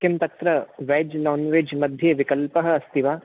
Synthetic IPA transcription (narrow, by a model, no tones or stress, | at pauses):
kɐmt̪ɐt̪ɾɐʋɛːd͡ʒnaːnʋeːd͡ʒmɐd̪ʱjeʋikɐlpɐɦɐ̆ɐst̪iʋaː